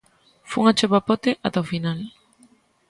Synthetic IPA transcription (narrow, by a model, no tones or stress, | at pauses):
fuuŋat͡ʃoβapot̪eʔat̪afinal